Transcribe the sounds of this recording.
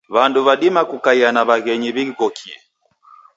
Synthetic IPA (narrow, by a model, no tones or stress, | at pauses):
βanduβaɗimakukaianaβaɣɛɲiβiiɣɔkʰiɛ̰